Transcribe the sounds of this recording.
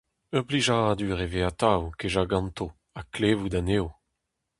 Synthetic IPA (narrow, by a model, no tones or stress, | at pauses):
œʁbliʒaad̪yʁeveat̪awkeʒaɡɑ̃nt̪o | akleːvud̪aneːo